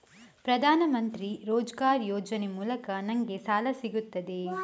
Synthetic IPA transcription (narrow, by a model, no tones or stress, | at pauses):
pɾɐd̪ʱaːnɐmɐnt̪ɾiɾoːd͡ʒɡaːɾjoːd͡ʒɐnemuːlɐkɐnɐŋɡesaːlɐsiɡut̪ːɐd̪e